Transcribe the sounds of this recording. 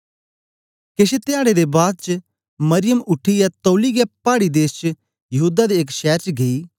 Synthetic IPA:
keset̪ɪaːɽed̪ebaːd̪̚t͡ʃə | mɐɾɪjəmʊʈʰːijɛt̪oːliɡɛpaːɽid̪eːst͡ʃ | jɐɦuːd̪ad̪iːkʃɛːɾt͡ʃɡɐiː

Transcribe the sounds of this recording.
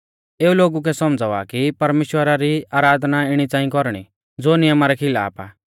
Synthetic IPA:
eːuloːɡuk̬ɛsɔmd͡zaːʋa̰kipɐɾmeːʃwəɾaɾiaːɾaːd̪ʱnaɪɽ̃it͡sãːĩkɔɾɽ̃ḭ | d͡zoːnɪjəmaɾɛkʰɪla̰ːpa̰

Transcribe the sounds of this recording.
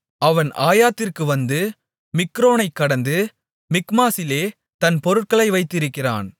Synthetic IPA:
ʔɐʋɐnʔaːjaːt̪ːɪrkɯʋɐnd̪ɯ | mɪkːɾoːnɐɪkːɐɽɐnd̪ɯ | mɪkmaːsɪleː | t̪ɐnpɔɾɯʈ̚kɐɭɐɪʋɐɪt̪ːɪɾɯkːɪra̰ːn

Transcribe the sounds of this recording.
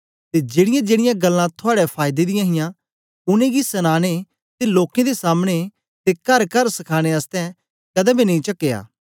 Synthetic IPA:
t̪ed͡ʒeːɽɪjãd͡ʒeːɽɪjãɡɐlːãt̪ʰʊaːɽɛpʰaːjd̪ed̪ɪjãɦɪjã | ʊnẽɡisɐnaːɽ̃e | t̪eloːkẽd̪esaːmɽ̃e | t̪ekɐɾkɐɾsɐkʰaːɽ̃eɐst̪ɛ̃ | kɐd̪ɛ̃binɐ̃ĩt͡ʃɐkːeːa̰ː

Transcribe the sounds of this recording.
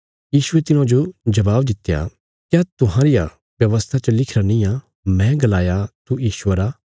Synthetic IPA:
jiːʃʊet̪ɪnãd͡ʒod͡ʒɐbaːbd̪ɪt̪ːja̰ | kjaːt̪ʊɦãɾɪja | bjɐʋəst̪ʰat͡ʃɐlɪkʰɾanĩjã | mɛ̃ɡɐlaːjat̪ujiːʃwəɾa

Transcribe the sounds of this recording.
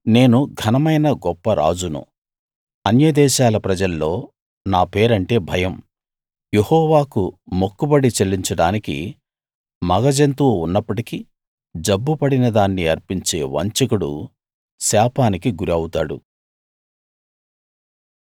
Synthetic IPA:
ne̞ːnuɡʱɐnɐmɐjnɐɡɔpːɐɾʔa̰ːd͡ʒunṵ | ɐnjɐd̪ɛːʃaːlɐpɾɐd͡ʒɐlːo̞ː | naːpe̞ːɾɐɳʈe̞ːbʱɐjɐm | jehɔːʋaːkumokːubɐɽit͡ʃelːiɲt͡ʃɐɽaːnikḭ | mɐɡɐd͡ʒɐnt̪uːunːɐpːɐʈiki | d͡ʒɐbːupɐɽinɐd̪aːnːiɐɾpiɲt͡ʃe̞ːʋɐ̰ɲt͡ʃɐkuɽṵ | saːpaːnikiɡuɾiɐwut̪aːɽṵ

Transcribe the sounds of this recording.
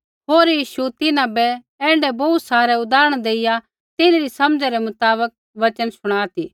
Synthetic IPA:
ɦoːɾjiːʃut̪ɪnãbɛ | ɛ̃ːɳɖɛbɔːt̪saːɾɛʊd̪aːɾəɽ̃d̪eːɪja | t̪ɪnɾisɐmd͡ʒɛɾɛmʊt̪aːβək̚ | ʋɐt͡ʃənsʊɽ̃aːt̪iː

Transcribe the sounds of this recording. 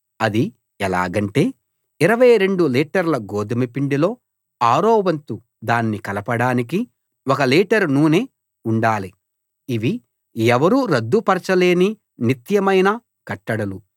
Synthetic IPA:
ɐd̪i | ɛla̰ːɡɐɳʈe̞ː | iɾɐʋɐjɾe̞ɳɖuliːʈɐɾlɐɡoːd̪ɐmɐpiɳɖilo̞ː | aːɾɔːʋɐnt̪u | d̪aːnːikɐlɐpɐɽaːnik̬i | wɔkɐliːʈɐɾnuːneː | uɳɖaːliː | ʋi | ɛʋɐɾuːɾɐd̪ːupɐɾɐt͡ʃɐle̞ːni | nit̪jɐmɐjnɐ | kɐʈːɐɽɐlu

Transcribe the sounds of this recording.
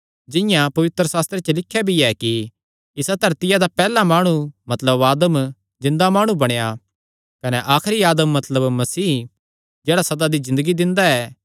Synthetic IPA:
d͡ʒɪ̃jãpɐʋɪt̪ɾəsaːst̪ɾet͡ʃelɪkʰːjabʱiɛki | ɪsad̪ʱɐɾt̪ɪjad̪apɛːlamaːɽ̃umɐt̪ləbaːd̪əm | zɪ̃nd̪amaːɽ̃ũbɐɽ̃eja | kɐnɛʔaːkʰɾiaːd̪əmːɐt̪ləbmɐsiː | d͡ʒɛːɽasɐd̪ad̪izɪ̃nd̪əɡid̪ɪ̃nd̪aɛː

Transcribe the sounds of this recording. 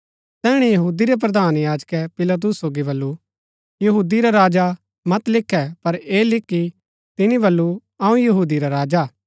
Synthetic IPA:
t̪ɛːɽ̃ejɐɦuːd̪iɾep̬ɾɐd̪aːnjaːd͡ʒkɛpɪlat̪̬ʊsːoːɡibɐlːu | jɐɦuːd̪iɾaɾaːd͡ʒa | mɐt̪lɪkʰːɛpɐɾeːlɪkːi | t̪ɪnibɐlːu | ɐũjɐɦuːd̪iɾaɾaːd͡ʒa

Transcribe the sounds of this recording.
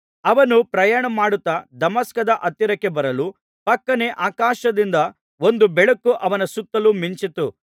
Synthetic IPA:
ɐʋɐnupɾɐjaːɳɐmaːɽut̪ːɐd̪ɐmɐskɐd̪ɐʔɐt̪jiɐɾɐkːebɐɾɐlu | pɐkːɐneʔaːkaːʃɐd̪ind̪ɐ | o̞nd̪ubɛɭɐkːuʔɐʋɐnɐsut̪ːɐlumiɲt͡ʃit̪u

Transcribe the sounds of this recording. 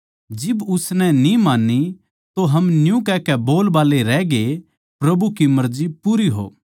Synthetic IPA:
d͡ʒɪbʊsnɛ̃nĩmaːnːi | t̪oɦɐmnjũkɛkɛboːlbaːleɾɛːɡe | pɾɐbukimɐɾd͡ʒipuːɾiɦo̰ː

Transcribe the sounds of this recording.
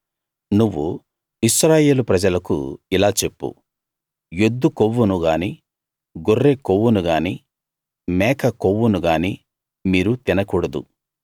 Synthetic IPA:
nuʋːu | iʃɾaːje̞ːlupɾɐd͡ʒɐlɐkṵilaːt͡ʃe̞pːṵ | jod̪ːukoʋːunuɡaːni | ɡorːeːkoʋːunuɡaːni | mɛːkʰɐkoʋːunuɡaːni | miːɾut̪inɐkuːɽɐd̪ṵ

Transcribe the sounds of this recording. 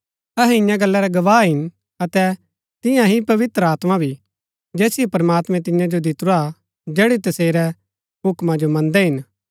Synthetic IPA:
ɐɦɛ̃ɪ̃jãɡɐlːɛɾɛɡɐʋaːɦɪn | ɐt̪ɛ | t̪ɪ̃jãɦipɐʋɪt̪ɾəaːt̪mabʱi | d͡ʒɛːsijɛpɾɐmaːt̪mɛ̃t̪ɪ̃jãd͡ʒod̪ɪt̪ɾa | d͡ʒɛːɽit̪ɐseːɾɛ | ɦʊkmad͡ʒomɐ̃nd̪ɛɦɪn

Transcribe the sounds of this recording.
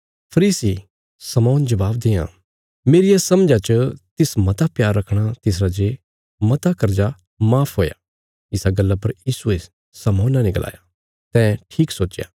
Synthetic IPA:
pʰɐɾiːsi | sɐmɔ̃ːnd͡ʒɐbaːbd̪ɪjã̰ | meːɾɪjasɐmd͡ʒat͡ʃət̪ɪsmɐt̪apjaːɾːɐkʰɽ̃at̪ɪsɾad͡ʒe | mɐt̪akɐɾd͡ʒa | maːpʰɦoːja̰ | ɪsaɡɐlːapɐɾjiːsue | sɐmɔ̃ːnanɪkəla̰ːja | t̪ɛ̃ːʈʰiːksoːt͡ʃja̰ː

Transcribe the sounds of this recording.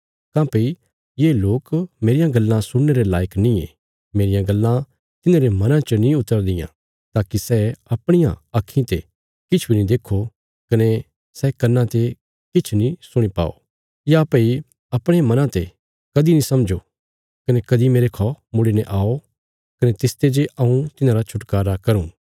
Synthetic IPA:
kãːpei | jeːloːkmeːɾɪjãɡɐlːãsʊɽneɾela̰ːjəknĩḛ̃ | meːɾɪjãɡɐlːã | t̪ɪnãːɾemɐnãt͡ʃənĩʊt̪ːəɾd̪ɪjã̰ | t̪aːkisɛɐpɽ̃ɪjã̰ɐkʰːĩt̪e | kɪt͡ʃʰbʱinĩd̪eːkʰːo | kɐne | sɛkɐnːãt̪e | kɪt͡ʃʰnĩsʊɽ̃ipa̰ːo̰ | japei | ɐpɽ̃eãmɐnãt̪e | kɐd̪inĩsɐmd͡ʒo | kɐnekɐd̪imeːɾekʰɔmʊɽineʔaːo | kɐnet̪ɪst̪ed͡ʒeʔɐũt̪ɪnãɾat͡ʃʰʊʈkaːɾakɐɾũː

